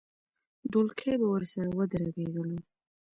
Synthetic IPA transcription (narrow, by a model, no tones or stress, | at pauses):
d̪ulkʰebawəɾsaɾawəd̪əɾaɡed̪əlo